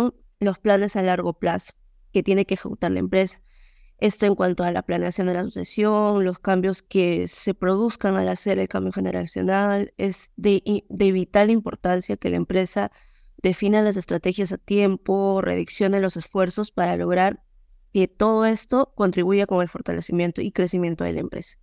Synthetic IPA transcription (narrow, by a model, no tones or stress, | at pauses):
ŋ | lo̞splane̞salaɾɣo̞plaso̥ | ke̞t̪je̞ne̞keːxe̞kut̪aɾla̰ḛmpɾe̞sḁ | e̞st̪o̞eŋkwant̪oala̰plane̞asjo̞nd̪e̞lasosja̰sjo̞ŋlo̞skambjoske̞se̞pɾo̞ðuskaŋalase̞ɾe̞lkambjo̞xe̞neɾa̰sjo̞̰nale̞zðeʔd̪e̞ːβit̪aɾlaimpo̞ɾt̪ansjake̞laempɾe̞sa | ðe̞finalas̬e̞st̪ɾat̪e̞xjasat̪je̞mpo̞rʔḛðiksjo̞nelo̞se̞sfwe̞ɾso̞spaɾalo̞ɣ̞ɾaɾ | ke̞t̪o̞ð̞o̞e̞st̪o̞ko̞nt̪ɾiβ̞uʝako̞ŋe̞lfo̞ɾt̪ale̞simje̞nt̪o̞̰ikɾe̞simje̞nt̪o̞ð̞e̞̰la̰ḛmpɾe̞̰sḁ